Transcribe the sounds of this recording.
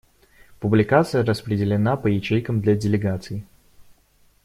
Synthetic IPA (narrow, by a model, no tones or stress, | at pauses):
pʊblʲɪkat̪sɨjəɾəspɾʲɪdʲɪlʲɪnapəjɪt͡ɕejkəmd̪lʲɐdʲɪlʲɪɡat̪sɨɪ